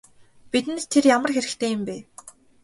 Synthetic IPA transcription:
pit̪ɘ̆nt̪t̪ʰːerjamə̆rxeɾɘ̆kt̪ʰeːjɪmpeː

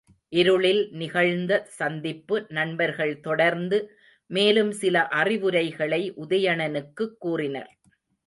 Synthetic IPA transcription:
ʔɪɾɯɭɪlnɪɣɐɭnd̪ɐsɐnd̪ɪpːɯnɐɳbɐɾɣɐɭt̪ɔɽɐɾnd̪ɯ | meːlɯmsɪlɐʔɐrɪʋɯɾɐɪɣɐɭɐɪʔʊðɐjɐɳɐnɯkːɯkːuːrɪnɐ̰ɾ

